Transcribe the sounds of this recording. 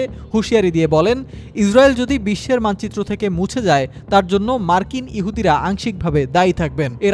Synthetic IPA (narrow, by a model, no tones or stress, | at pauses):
huʃiaɾid̪iebɔlenisɾaeld͡ʑod̪ibiʃːeɾmant͡ɕit̪ːɾot̪ʰekemũt͡ɕʰed͡ʑaet̪aɾd͡ʑonːomaɾkiniɦud̪iɾaʔaŋʃik̚bʱabed̪ajt̪ʰak̚beneɾ